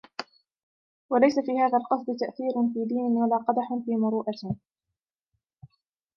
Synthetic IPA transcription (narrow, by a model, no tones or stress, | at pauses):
walajsafiːhaːðalqɑsˤd̪t̪aʔθiːɾʊnfiːd̪iːnɪnwalaːqɑd̪aħnfiːmʊɾuːʔat̪